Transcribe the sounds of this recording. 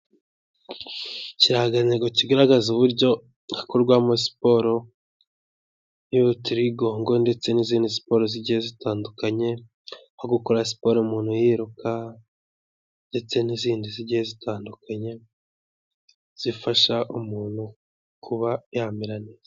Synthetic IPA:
ciɾahaɡaneɡociɡaɾaɡazuβuɾɟo̞ | akoɾɡwaːmosi̥po̞ɾo̞ | joβutiɾiɡo̞ːŋɡo̞nde̞t͡se̞niziːndisi̥po̞ːɾoziɟihezitaːndukaɲe̞ | hoɡukoɾasi̥po̞ɾoumuːnhujiɾukʰa | nde̞t͡se̞niziːndiziɟihe̞zitaːndukaɲe̞ | z̥ifaʃaʔumuːn̥hu | kʰuβajaːmiɾanizea

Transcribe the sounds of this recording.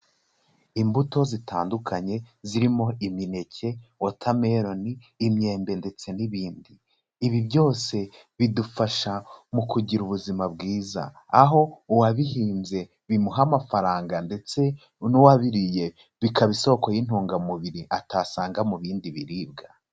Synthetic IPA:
imbuto̞zitʰa̰ːndukʰaɲe̞ziɾimo̞imine̞cʰe̞wotʰame̞ɾo̞niː | mɲe̞ːmbe̞nde̞t͡se̞niβiːndiː | βiβɟo̞ːse̞ | βidufaʃamukuɟiɾuβuzimabɡiːza̰ː | ɦo̞uwaβihiːmze̞ | βimuɦamafaɾaːŋɡande̞t͡se̞ | nuwaβiɾije̞ | βikaβiso̞ko̞jin̥huːŋɡamuβiɾiʔataːsaːŋɡamuβiːndiβiɾiːb̚ɡa

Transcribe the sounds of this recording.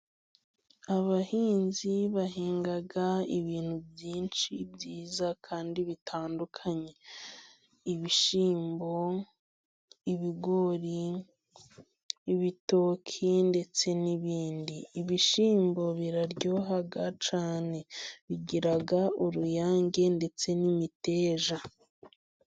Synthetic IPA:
aβahiːnziβahiːŋɡaɡaiβiːn̥hubjiːnʃibɟiːzakʰaːndiβitʰaːndukʰaɲe̞ | iβiʃiːmbo̞ | iβiɡo̞ɾi | βitoːkʰinde̞t͡se̞niβiːndiːβiʃiːmbo̞βiɾaɾɟo̞ːɦaɡat͡ʃaːne̞βiɟiɾaɡaoɾujaːŋɟe̞nde̞t͡se̞nimite̞ːʒa

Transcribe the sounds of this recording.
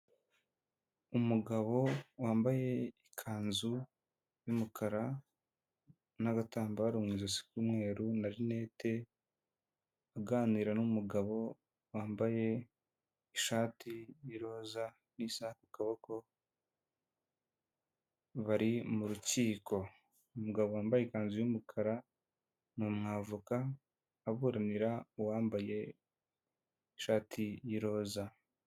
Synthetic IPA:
umuɡaβo̞waːmbaje̞ikʰaːnzu | jumukʰaɾa | naɡataːmbaɾumŋiːzasi̥kumŋe̞ːɾunaɾine̞ːte̞ | aɡaːniɾanumuɡaβo̞ | waːmbaje̞ | iʃaːtijiɾo̞ːza | nisahakukaβoko | βaɾimuɾuciːko̞ | umuɡaβowaːmbajekaːnzijumukʰaɾa | numŋaːvukaː | βuːɾaniɾawaːmbaje̞ | iʃaːtʰijiɾo̞ːza

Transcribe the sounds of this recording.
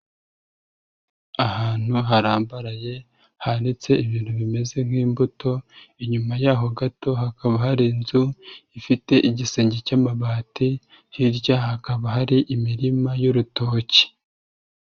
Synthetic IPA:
ahaːn̥huɦaɾaːmbaɾaje̞ | hanit͡se̞iβiːn̥huβime̞ze̞ŋ̥hiːmbuto̞iɲumajaːɦo̞ɡato̞ɦakaβahaɾinzuifite̞ʔiɟiseːɲɟecaːmaβaːti | hiɾɟaɦakaβaɦaɾiʔimiɾimajoɾuto̞ːci̥

